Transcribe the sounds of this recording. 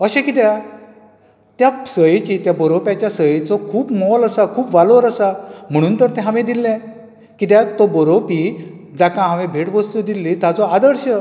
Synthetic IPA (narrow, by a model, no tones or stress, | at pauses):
əɕẽkit̪̬ja | t̪jasəjt͡ɕit̪jabəɾopjat͡ɕjasəjet͡sɔkʰuːpmɔləsakʰuːpʋaloɾəsam̤əɽ̃uːnt̪əɾt̪ɛ̃ɦãʋẽd̪ilːɛ̃ | kit̪̬jat̪ɔbəɾopi | d͡zakãɦãʋẽbʱeʈʋəst̪ud̪ilːit̪jat͡sɔad̪əɾɕə